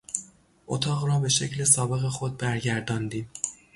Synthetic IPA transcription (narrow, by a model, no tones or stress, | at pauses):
ʔot̪ʰɒːɣrɒːbe̞ʃe̞cle̞sɒːbe̞ɣe̞xod̪̚bæɾɟæɾd̪ɒːnd̪iːm